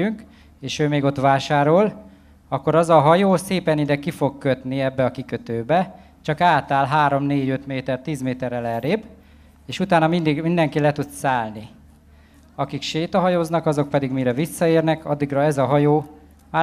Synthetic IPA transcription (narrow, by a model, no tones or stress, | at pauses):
yŋk | eːʃøːmeːɡo̞t̪ʋaːʃaːɾo̞l | ɒkːo̞ɾɒzɒɦɒjoːseːpɛnid̪ɛkifo̞kkøt̪niɛbːɛɒkikøt̪øːbɛ | t͡ʃɒkaːt̪aːlɦaːɾo̞mneːɟø̞t̪meːt̪ɛrt̪iːzmeːt̪ɛrɛlɛɾeːb | eːʃut̪aːnɒmind̪iɡmind̪ɛŋkilɛt̪ut̪saːlni | ɒkikʃeːt̪ɒɦɒjoːznɒkɒzo̞k̚pɛd̪iɡmiɾɛvisːɒeːrnɛkɒd̪ːiɡrɒɛzɒɦɒjoː | ma